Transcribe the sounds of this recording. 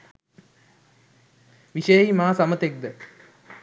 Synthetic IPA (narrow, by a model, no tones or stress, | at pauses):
ʋiʃejimaːsamət̪ek̚d̪ə